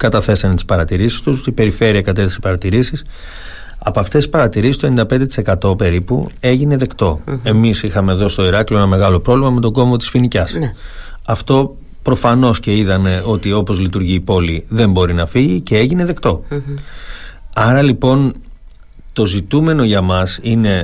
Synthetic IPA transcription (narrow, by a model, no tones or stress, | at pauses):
kɐt̪ɐθe̞sɐnet̪i̥spɐɾɐt̪iɾisi̥st̪ust̪ibe̞ɾife̞ɾiɐkɐt̪eθesi̥pɐɾɐt̪iɾisis | ɐpoɐft̪esi̥spɐɾɐt̪iɾisist̪onind̪ɐpe̞nd̪et̪i̥se̞kɐt̪o̞pe̞ɾipṵe̞ʝine̞ðe̞kt̪o̞e̞misixɐme̞ðo̞sist̪o̞iɾɐklioenɐme̞ɣɐlo̞pɾo̞vlimɐme̞t̪o̞ɡo̞mvo̞t̪i̥sfinicɐs | ɐft̪o̞ | pɾo̞fɐno̞sce̞iðɐne̞o̞t̪io̞po̞zlit̪uɾʝiːpo̞liðe̞mbo̞ɾinɐfiʝicee̞ʝine̞ðe̞kt̪o̞ | ɐɾɐlipo̞n | t̪o̞zit̪ume̞no̞ʝɐmɐsine̞